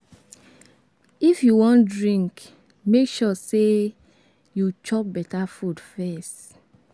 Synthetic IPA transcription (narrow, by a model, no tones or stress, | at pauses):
ifjuwɔ̃ndɹĩŋk | mekʃɔse | jut͡ʃɔp̚bɛtafudfɛst